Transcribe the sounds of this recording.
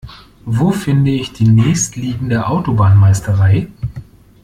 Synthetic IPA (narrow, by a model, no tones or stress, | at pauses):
voːfɪndəɪçd̥iːnɛːçstliːɡŋ̩deːɐʔaʊtobaːnmaɪstʰəʁaɪ